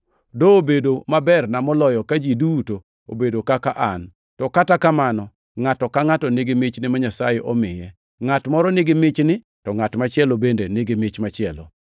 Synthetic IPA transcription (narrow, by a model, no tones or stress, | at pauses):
doːbedomabɛrnamɔlɔjɔkad͡ʒiduto | o̰bedokakaʔan | tɔkatakamanɔ | ŋatɔkaŋatɔneɡɪmɪt͡ʃnɪmaɲasajeʔɔmɪjɛ | ŋatmɔɾɔnɪɡɪmɪt͡ʃnɪ | tɔŋatmat͡ʃɪɛlobendenɪɡɪmɪt͡ʃmat͡ʃɪɛlo̰